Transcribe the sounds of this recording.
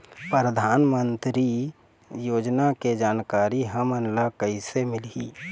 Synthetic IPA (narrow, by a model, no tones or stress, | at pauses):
pɾəd̪ʱaːnmənt̪ɾi | joːd͡ʒnaked͡ʒaːnkaːɾiɦəmənlakəɪsemɪli